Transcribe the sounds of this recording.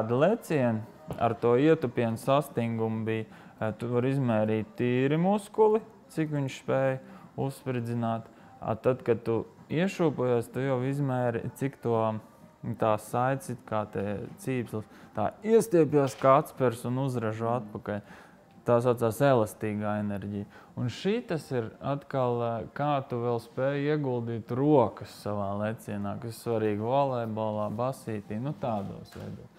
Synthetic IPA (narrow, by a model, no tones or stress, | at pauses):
d̪lˠɛt̪sʲiɛn | a̰ɾt̪uɔiɛt̪upiɛnsast̪iŋɡumbij | t̪uvaɾizmɛːɾiːt̪ʲt̪ːiːɾimuskulˠi | t̪sikʋiɲʃspɛjusspɾd̪zinaːt̪ | a̰t̪ad̪kad̪̚t̪uiɛʃuːpujaːst̪ujawizmɛːɾḭtsikt̪uɔ | t̪aːsaj̪sit̪kaːt̪ɛt̪siːpslˠst̪a̰ːiɛst̪iɛpʲjaːskat̪spɛɾsunuzɾaʒuat̪̚pakalʲ | t̪aːsat̪saːselˠast̪iːɡaːenɛɾʲɟij | unʃit̪asiɾat̪kalˠkaːt̪uʋɛlˠspɛːjiɛɡulˠd̪iːt̪ɾuɔkəsːaʋaːlˠet̪siɛnaːkassʋaɾiːɡvalˠɛjbolˠɑːbasiːt̪iːnut̪aːd̪ṵːsʋɛ̰jd̪uːs